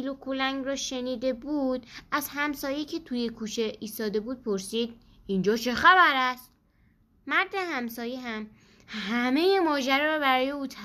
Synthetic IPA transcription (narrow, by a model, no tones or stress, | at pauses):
ilokʰolæŋɡrɒːʃe̞niːd̪e̞buːd̪æzɦæmsɒːjecʰe̞t̪ʰujekʰuːt͡ʃʰe̞iːst̪ɒːd̪e̞buːd̪̚pʰo̞ɾsiːd̪̥ | ind͡ʒɒːt͡ʃʰe̞xæbæɾæst̪ː | æɾd̪e̞hæmsɒːjeɦæm | ɦæme̞jemɒːd͡ʒæɾɛɾɒːbæɾɒːje̞uːt̪ʰæ